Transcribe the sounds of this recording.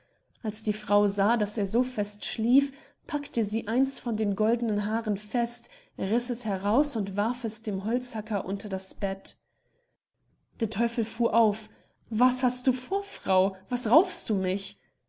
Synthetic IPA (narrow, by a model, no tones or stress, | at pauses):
ʔalsd̥iːfʁ̥aʊzaːdaseːɐzoːfɛstʃliːf | pʰaktəziːʔaɪnstfɔndeːnɡɔldənənɦaːʁənfɛst | ʁɪsɛshɛʁaʊsʊntv̥aɐfɛsd̥eːmɦɔlt͡shakɐʔʊ̰ntɐdasb̥ɛt | d̥eːɐtʰɔʏfl̩fuːɐʔaʊf | vashast̚d̥uːfoːɐfʁ̥aʊvasʁaʊfstd̥uːmɪç